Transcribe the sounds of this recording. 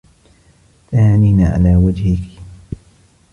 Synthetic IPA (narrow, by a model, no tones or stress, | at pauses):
t̪ahaːniːnaːʕa̰laːwad͡ʒhɪk